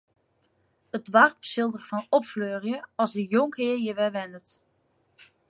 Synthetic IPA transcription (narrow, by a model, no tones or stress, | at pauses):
ədʋɑrpsɪlˠdərvɑnɔpfløːrjəɑlˠzdəjɔŋkɦɪːɹjəʋɛʋɛnət